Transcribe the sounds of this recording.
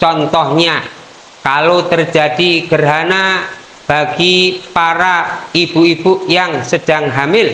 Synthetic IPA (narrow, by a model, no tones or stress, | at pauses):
t͡ʃɔnt̪ɔhɲa | kalot̪ərd͡ʒa̤d̥iɡ̥ərɦana | b̥aɡ̥ipaɾaib̥uib̥ujaŋsəd̥a̤ŋɦamɪl